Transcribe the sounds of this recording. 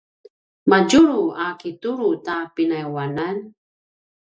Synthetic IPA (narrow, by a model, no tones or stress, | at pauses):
mad͡ʒuɾuʔakituɾutapinajwanan